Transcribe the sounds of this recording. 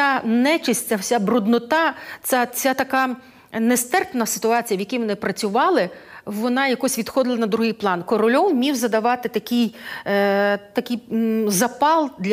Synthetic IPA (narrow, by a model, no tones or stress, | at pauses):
anɛt͡ʃɪsʲt͡sʲawsʲabɾʊd̪nɔt̪ɑt͡s̪ʲat͡sʲat̪ɐkɑ | nɛst̪ɛrpnɐsɪ̥t̪ʊɑt͡sʲijɐʋjɐkʲijmɔnɪpɾɐt͡sʲʊʋɑlˠɪʋɔnɑjɐkɔsʲʋʲid̪̥xɔd̪ɪlˠɐnɐd̪ɾʊɦijplˠɑnkɔɾɔlʲɔwmʲiwzɐd̪ɐʋɑt̪ɪt̪ɐkɪj | t̪ɐkʲɪjzɐpɑlˠd̪lʲ